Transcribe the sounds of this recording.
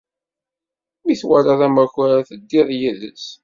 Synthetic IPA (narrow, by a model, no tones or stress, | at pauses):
miθwæɾaðæmæçɾæθəd̪ːiðˤjiðə̰s